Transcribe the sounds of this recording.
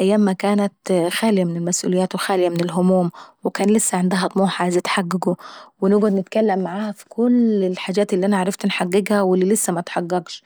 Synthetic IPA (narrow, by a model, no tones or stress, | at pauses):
ʔajːaːmːækæːnæt̪xæːlɪjamɪnɪlmæsʔṵːlɪjːæːt̪wɪxaːlɪjamɪnɪlɦʊmuːmwɪkæːnlɪsːæʕend̪æɦɑt̪ˤmuːħazɪt̪ħaɡːɪɡʊwɪnʊːɡad̪nɪt̪kalːæmːaʕaːhæfi̥kʰʊlɪlħaːd͡ʒæːt̪ɪlːiːʔænæʕaʕɾˤɑft̪nħaɡːɪɡhæwɪlːilɪsːæmæt̪ħɑɣːɑɡʃ